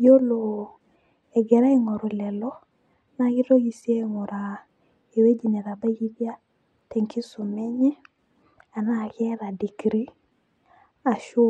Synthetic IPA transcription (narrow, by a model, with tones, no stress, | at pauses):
jo˦lo˨ | ɛ˨ɡɛ˨ɾa˦e˦˨ŋɔ˨ɾo˨lɛ˨lɔ˦ | na˨ɣɪ˦ɾo˦ɣi˨se˦˨ŋɔ˨ɾa˨ | e˨we˦d͡ʒi˨ne˨ɾa˨ba˦ɣi˦bja˦ | tɛ˨ŋkʰi˦su˨mɛ˦ɲɛ˦ | a˨na˦˨ɣɛ˦ɾa˨di˨kɾi˦ | a˨ʃu˦